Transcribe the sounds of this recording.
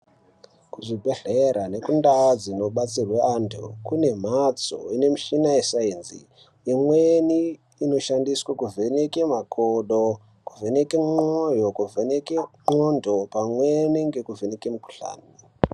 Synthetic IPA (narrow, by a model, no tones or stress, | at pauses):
kuʐibʱeɬeɾane̞kundad͡zino̞ɓat͡sirweantʰṵkune̞m̤at͡so̰ine̞miʃinaesainzḭ | imweniː | no̞ʃandiswakuvʱe̞nekemakʰoɗo | kuve̞nekemojo̞kuvʱenekemondʱopamweniŋɡe̞kuve̞nekemuku̥ɬa̰ːni